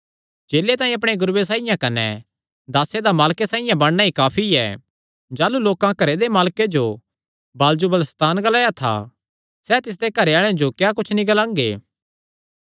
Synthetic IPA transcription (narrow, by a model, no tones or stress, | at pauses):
d͡ʒeːlet̪aːĩɐpɽ̃eɡʊɾːesaːɪjãkɐnɛ̰ | d̪aːsed̪amaːlkesãːijãbɐɽnaːikaːpʰiɛ̰ | d͡ʒaːluloːkãkɐɾed̪emaːlked͡ʒo | baːld͡ʒubələst̪aːnɡɐlaːjat̪ʰa̰ | sɛːt̪ɪs̬d̪ekɐɾeaːɭ̃ed͡ʒokjaːk̬ʊt͡ʃʰnĩɡɐlãːŋɡḛː